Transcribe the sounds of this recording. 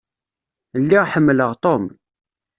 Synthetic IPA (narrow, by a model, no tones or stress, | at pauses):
lːiʁħəmːləʁt̪ˤom